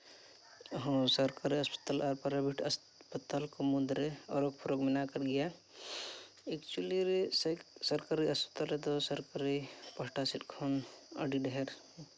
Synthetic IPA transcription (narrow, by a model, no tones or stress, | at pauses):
ɦõsəɾkaɾiɐspə̥t̪alɔɾpɐɾabʱiʈɐs | pət̪alkomud̪ɾeɔɾok̚pʰɔɾokmɪnakəɾɡija | ekt͡ʃuliɾesəksəɾkaɾiɐspə̥t̪alet̪osəɾkaɾipɐɦʈasiʈkʰonə̰ɖiɖəɦeɾ